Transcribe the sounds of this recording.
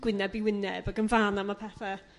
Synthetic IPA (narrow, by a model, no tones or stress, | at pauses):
ɡ̥wɪnɛbiwɪnɛbaɡənvaːnamapʰɛfɛ